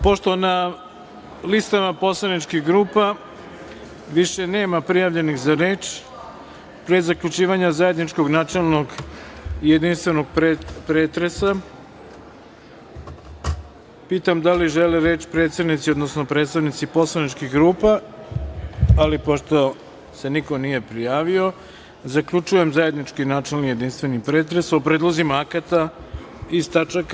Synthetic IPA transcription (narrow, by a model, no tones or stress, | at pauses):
po̞ʃt̪o̞na | list̪amapo̞slˠanit͡ʃkiɣɡɾuːpa | ʋiʃe̞ne̞ːmapɾijaʋʎe̞nixzaɾe̞ːt͡ʃ | pɾezakʎut͡ʃiːʋaɲazaje̞d̪nit͡ʃko̞ɡnat͡ʃelˠnoɡ | ijed̪inst̪ʋenoɡ̚pɾepɾeːt̪ɾesa | piːt̪amd̪aliʒeleɾe̞t͡ɕpɾe̞ːt̪st̪evnit̪siod̪nosno̞pɾet̪st̪aʋnit̪sipo̞slanit͡ʃkiɣɡɾuːpa | alipo̞ʃt̪o̞ | se̞niko̞nije̞pɾijaːʋio̞ | zakʎut͡ʃuje̞mzaje̞d̪nit͡ʃkinat͡ʃelnije̞d̪inst̪ʋe̞nipɾe̞ːt̪ɾesopɾed̪lˠozimaakat̪a | ist̪at͡ʃak